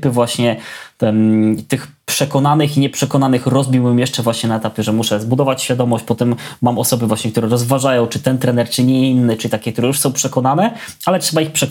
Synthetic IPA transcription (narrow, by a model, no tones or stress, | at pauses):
pɘvwaɕɲɛ | t̪ɘxpʂɛkɔnanɘxiɲɛpʂɛkɔnanɘxɾɔzbʲiwɘmjɛʂt͡ʂɛvwaɕɲɛnaɛt̪apʲjɛʐɛmuʂɛzbud̪ɔvat͡ɕɕfʲjad̪ɔmɔɕt͡ɕpɔt̪ɛmːamɔsɔbɘvwaɕɲɛkt̪uɾɛɾɔzvaʐajɔ̃w̃t͡ʂɘt̪ɛnt̪ɾɛnɛɾt͡ʂɘɲɛinːɘt͡ʂɘt̪akʲɛkt̪uɾɛjuʂsɔ̃w̃pʂɛkɔnanɛalɛtʂɛbaixpʂɛk